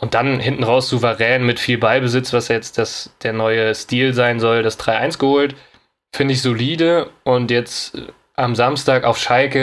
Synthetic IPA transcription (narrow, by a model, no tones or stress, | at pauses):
ʔʊnt̚d̥anhɪntn̩ʁaʊsz̥uvəʁɛːnmɪtfiːlbaɪbəzɪt͡sv̥asjajɛt͡std̥asd̥eːɐnɔʏəstiːlzaɪnzɔldasd̥ʁaɪʔa̰ɪnsɡ̥əhoːlt | fɪndəɪçz̥oliːdəʔʊntjɛt͡s | ʔamzamstaːka̰ʊfʃalkə